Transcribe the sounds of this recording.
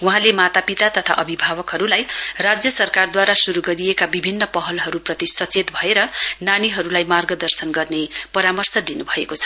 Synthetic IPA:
wuɦãlemat̪apit̪at̪ʌt̪ʰa̰ʔʌbʱibʱabʌkɦʌɾulajrad͡zjʌsʌrkard̪waɾasuɾuɡʌɾijekabibʱinːʌpʌɦʌlɦʌɾuprʌt̪isʌt͡set̪bʱʌeɾʌnaniɦʌɾulajmarɡʌd̪ʌrsʌnɡʌrnepʌɾamʌrsʌd̪inubʱʌekot͡sʰʌ̥

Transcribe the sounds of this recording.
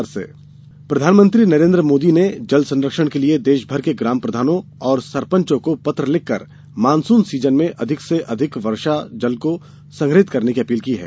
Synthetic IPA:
ɾsḛː | pɾɐd̪ʱaːnmə̃nt̪ɾinɐɾẽːnd̪ɾəmoːd̪ined͡ʒɐlsɐ̃nɾəkʃəɽ̃kelied̪eːʃbʱɐɾkeɡɾaːmpɾɐd̪ʱaːnõɔːɾsɐɾpə̃ɲt͡ʃõkopɐt̪ɾəlɪkːə̰ɾ | maːnsuːnsiːd͡ʒənmẽʔɐd̪ʱɪkseʔɐd̪ʱɪkʋɐɾʃad͡ʒɐlko | sɐ̃ŋɡɾɦɪt̪kɐɾnekiɐpiːlkiɦɛ̰ː

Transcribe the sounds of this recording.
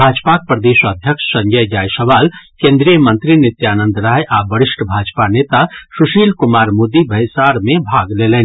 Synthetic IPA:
bʱad͡ʒpak̚pɾəd̪eʃəd̪ʱjəkʃsə̃ŋd͡ʒəjd͡ʒajsəʋalkẽnd̪ɾijəmənt̪ɾinit̪janə̃nd̪ɾajʔabəɾiʃʈʰəbʱad͡ʒpanet̪asuʃilkumaɾmod̪ibʱəjsaɾmebʱaɡlelɛni

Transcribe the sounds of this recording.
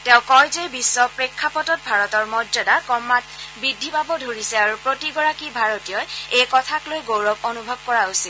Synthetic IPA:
tɛ̃ʊ̃kɔjzebisːɔpɹekʰːapɔtɔt̚bʱaɹɔtɔɹmɔdzɔdakɔmːatbidʱːipabɔdʱoɹisɛaɹupɹotiɡɔɹakibʱaɹotijɔjejkɔtʰaklojɡowɹɔbonubʱɔb̚kɔɹaosil

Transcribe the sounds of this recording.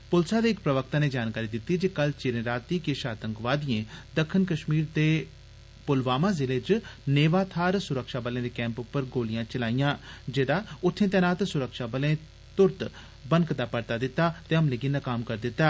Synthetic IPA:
pʊlsaːd̪eːɪkpɾəʋək̚t̪ãːneːd͡ʒaːnkaːɾiːd̪ɪt̪ːiːd͡ʒeːkəlt͡ʃɪɾẽːɾaːt̪ĩkeʃaːt̪ə̃ŋkʋaːd̪ijẽːd̪əkʰːɪnkəʃmiːɾd̪eː | pʊlʋaːmãːzɪleːd͡ʒneːʋaːt̪ʰaːɾsʊɾəkʃaːbəlẽːd̪eːkɛ̃ːmpʊpːəɾɡoːlijãːt͡ʃəlaːijãːd͡ʒeːd̪aːʊt̪ʰːẽːt̪ɛːnaːt̪sʊɾəkʃaːbəlẽː | t̪ʊɾt̪ | bənkd̪aːpəɾt̪aːd̪ɪt̪ːaːt̪eːəmleɡinakaːmkəɾd̪ɪt̪ːaː

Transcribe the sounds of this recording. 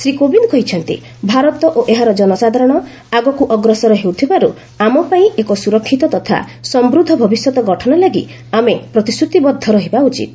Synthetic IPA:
sɾikobinkɔɦit͡ʃʰɔnt̪ḭ | bʱaɾɔt̪ɔʔoʔeɦaɾɔd͡ʒɔnɔsad̪ʱaɾɔɽ̃ɔ | aɡɔkuʔɔɡɾɔsɔɾɔɦewt̪ʰibaɾu | amɔpaĩekɔsuɾɔkʰːit̪ɔt̪ɔt̪ʰa̰ | sɔmbɾud̪ʱːɔbʱɔbisjɔt̪ɔɡɔʈʰɔnɔlaɡḭ | amepɾɔt̪isɾut̪ibɔd̪ʱːɔɾɔɦibaut͡ʃḭt̪̚

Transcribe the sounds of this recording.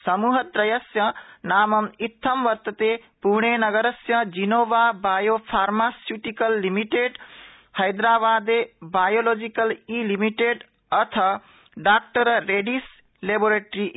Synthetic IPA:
sʌmuɦət̪ɾəjəsjʌnamʌmit̪ʰːəmʋəɾt̪ət̪epuɾɳ̃enʌɡəɾəsjʌd͡ʒinobabajopʰaɾmasjuʈikəlːimiʈeɖ | hʌjd̪ɾabad̪ebajolod͡ʒikəlilimiʈeɖ | ʌt̪ʰʌ | ɖak̚ʈəɾːeɖis | leboɾeʈɾi

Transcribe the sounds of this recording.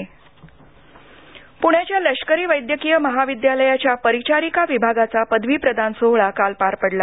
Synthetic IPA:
puɳ̃jat͡ɕjaləɕkəɾiːʋəjd̪jəkijəməɦaʋid̪jaləjat͡ɕjapəɾit͡ɕaɾikaʋibʱaɡat͡sapəd̪ʱʋiːpɾəd̪ʱansoɦɭakalpaɾpəɽla

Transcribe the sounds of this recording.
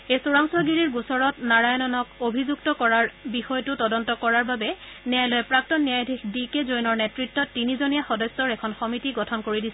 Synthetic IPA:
ejsoɹaŋswɔɡiɹiɹɡusɔɹɔtnaɹajɔnɔnɔkobʱizuktɔkɔɹaɹbixɔjɔtʊtɔdɔntɔkɔɹaɹbabɛnɛajlɔjɛpɹak̚tɔnːijajdʱixdikezojnɔɹnɛtɹitːɔtːinizonijaxɔdɔsːɔɹɛkʰɔnxɔmitiɡɔtʰɔnkoɹidisɛ

